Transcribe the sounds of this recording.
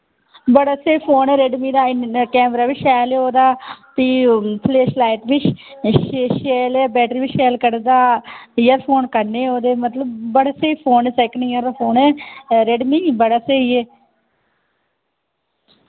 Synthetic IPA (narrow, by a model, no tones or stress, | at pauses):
bəɽaːseːpʰoːnɛːɾeɖmiːd̪aːɪkɛːmɾaːʋɪt͡ʃʃɛːlɛːoːd̪aːt̪iːpʰleːʃlaːɪʈʋɪt͡ʃ | ʃeːlɛːbɛːʈɾiʋɪt͡ʃʃɛːlkəɾd̪aːjəɾpʰoːnkəɾneːoːd̪eːmət̪ləbːəɽaːseːiːpʰoːnɛːsɛːkəɳiːəːɾd̪aːpʰoːnɛːɾeɖmiːbəɽaːseːiɛː